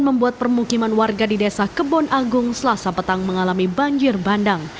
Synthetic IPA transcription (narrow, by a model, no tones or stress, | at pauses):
nməmbuat̪̚pərmukimanwarɡadidɛsahkəbɔnʔaɡʊŋsəlasapət̪aŋməŋalamibaɲd͡ʒɪrbandaŋ